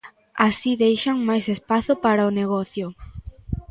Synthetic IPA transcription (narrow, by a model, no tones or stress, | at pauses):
asiðejʃaŋmajsespaθʊpaɾaʊneɣɔθjʊ